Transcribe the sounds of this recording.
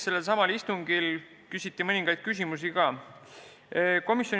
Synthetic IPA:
se̞lːe̞lsɑmɑlist̪uŋɡ̥il | kysʲit̪ːimɤnʲiŋɡ̥ɑjd̪̥̚kys̬ʲimus̬iɡ̥ɑː | ko̞misjo

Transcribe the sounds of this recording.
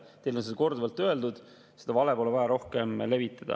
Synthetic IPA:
t̪e̞jlonsed̪ɑko̞rd̪uvɑlt̪ːˑø̞eld̪ud̪̥ | sed̪ɑvɑlepolevɑjɑɾo̞hke̞mle̞vit̪ˑːɑd̪̥ɑ̰

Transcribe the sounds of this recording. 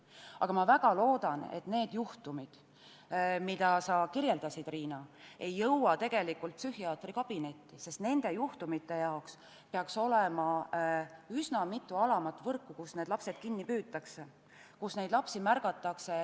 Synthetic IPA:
ʔɑ̰ɡ̥ɑmɑvæɡ̥ɑlo̞ːd̪̥ɑne̞̰t̪ne̞ːd̪̥juht̪umid̪̥ | mid̪̥ɑsɑkiɾje̞ld̪ɑsid̪̥riːnɑe̞jːɤwɑt̪e̞ɡ̥e̞likːult̪̚psyhiɑːt̪ɾikɑb̥ine̞t̪ːise̞st̪ne̞nd̪̥e̞juht̪umit̪ːˑe̞jɑoks | peɑkso̞lemɑ | ysnɑmit̪ːˑuɑlɑmɑt̪ːˑvɤrkːˑukusne̞d̪lɑpse̞d̪̥̚kinːipyːt̪ːˑɑkse | kusne̞jd̪lɑpsimærɡ̥ɑt̪ːˑɑkse

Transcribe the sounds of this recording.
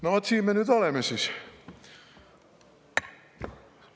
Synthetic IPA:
noʋot̪siːmːenyt̪olemesis

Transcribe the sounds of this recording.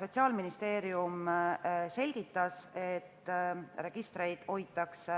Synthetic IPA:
so̞t̪siɑːlminist̪e̞ːɾium | se̞lʲɡ̥it̪ːˑɑse̞t̪ːˑɾe̞ɡ̥ist̪ɾe̞jd̪̥o̞jt̪ːˑɑks

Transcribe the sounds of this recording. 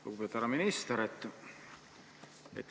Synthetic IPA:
okupet̪ːæɾɑminist̪eɾet̪ː | ḛt̪ː

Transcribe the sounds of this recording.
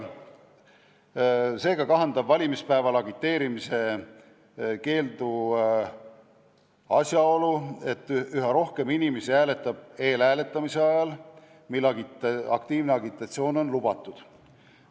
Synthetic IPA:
se̞ːɡ̥ɑkɑɦɑnd̪ɑbvɑlʲimispæevɑlɑɡit̪ːe̞ːɾimise̞ | ke̞ːld̪u | ɑsʲjɑo̞lue̞t̪ːˑyɦɑɾo̞hke̞minimesiæːle̞t̪ːˑɑb̥e̞ːlæːle̞t̪ˑːɑmise̞ɑjɑl | milːɑɡiɑ̰kt̪iːvneɑɡit̪ːˑɑt̪sio̞ːno̞nlub̥ɑt̪ːˑud̪̥

